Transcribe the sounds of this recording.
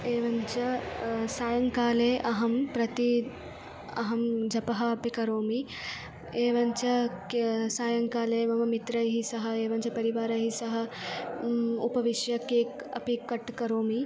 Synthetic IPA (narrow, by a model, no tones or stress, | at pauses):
eːʋɐɲt͡ʃɐsaːjɐŋkaːleːʔɐɦɐmpɾɐt̪i | ɐ̰ɦɐmd͡ʒɐpɐɦɐɐpikɐɾoːmi | eːʋɐɲt͡ʃɐ | saːjɐŋkaːleːmɐmɐmit̪ɾɐjɦisɐɦɐeːʋɐɲt͡ʃɐpɐɾiʋaːɾɐɦisɐɦɐ̆ | upɐʋiʃjɐkeːk | ɐ̰pikːɐʈkɐɾoːmi